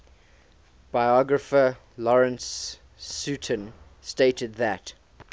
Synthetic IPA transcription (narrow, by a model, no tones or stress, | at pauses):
b̥aɪɔɡɹəfə | lɔɹə̃nsː | ʉtʰə̃n | steɪtəd̪̚ðət